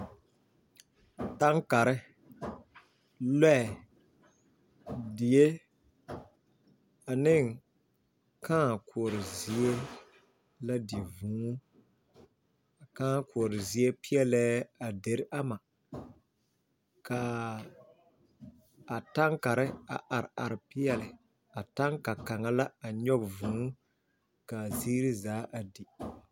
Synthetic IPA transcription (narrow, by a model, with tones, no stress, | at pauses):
ta˦ŋka˨ɾɪ˦ | lɛ˦˨ | dɪ˨je˦ | a˨nɪ˦˨ŋ | kʰãː˦˨kʰʊ˨ɔ˨ɾɪ˨zi˨˦e˦ | la˦dɪ˨vũː˨˦ | a˨kãː˦kʊ˨ɔ˨ɾɪ˨zi˦e˦pɪ˦ɛ˦lɛː˦a˨de˨ɾɪ˦ʔa˦ma˨ | ka˨ | ta˦ŋka˨ɾɪ˦a̰˨ʔa˨ɾɪ˨a˨ɾɪ˨pɪ˦ɛ˨lɪ˨ | a˨ta˦ŋka˨ka˨ŋa˦la˦a˨ɲɔ˦ɡvũː˨˦ | ka˨zi˦ɾi˦zaː˨˦ʔa˨di˨